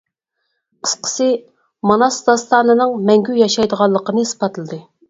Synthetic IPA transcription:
qʰə̥sqʰə̥sɨ | mɑnɑsd̪ɑst̪ʰɑːnɨnɨŋmɛŋɡʲyjɑʃɑjd̪əʁɑlˠːəqənɨspɑt̪ʰɨlˠɨd̪ɨ

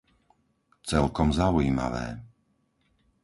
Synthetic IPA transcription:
t͡sɛlkɔmzaujiːma̰ʋɛ̰ː

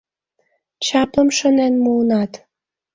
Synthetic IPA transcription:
t͡ɕɑpəmʃə̆nenmunɑt̪

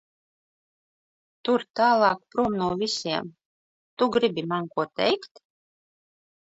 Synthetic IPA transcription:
t̪uɾt̪aːlˠɑːk̚pɾuɔmnuːvʲisʲiɛm | t̪uɡɾibʲimankuɔt̪ɛjkt̪

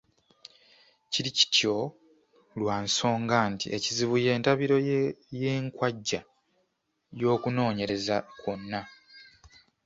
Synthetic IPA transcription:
ciɾici̥tjo̞ | lwaːnso̞ːŋɡaːntḭʔeciziβuje̞ːntaβiɾo̞jeːŋkwaɟːa | jo̞ːkuno̞ːɲe̞ɾe̞zakonːa

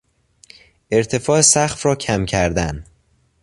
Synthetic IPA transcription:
e̞ɾt̪ʰe̞fɒːesæxfrɒːcʰæmcʰæɾd̪æn

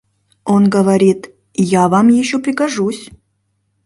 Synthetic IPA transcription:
onɡəvɐɾʲit̪ | javamjɪɕːopɾʲɪkaʐusʲ

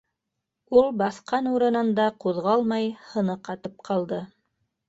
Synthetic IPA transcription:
ulˠbɑθqɑnuɾɤ̆nɤ̆nd̪ɑquðʁɑlˠmɑjhɤ̆nɤqɑt̪ɤp̚qʰɑlˠd̪ɤ

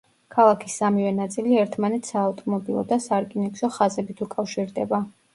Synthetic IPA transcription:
kʰalˠakʰisːamivɛnat̪sʼiliɛɾt̪ʰmanɛt̪sʰaːft̪ʼɔmɔbilˠɔ̰d̪asaɾkʼinɛkʃɔχazɛbit̪ʰukʼafʃiɾd̪ɛba

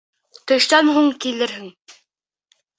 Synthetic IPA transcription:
t̪ɵ̆ʃt̪ænɦuɴkilɘɾɦɘŋ

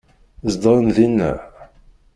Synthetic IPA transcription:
zd̪ɾˤənðinːæ̰

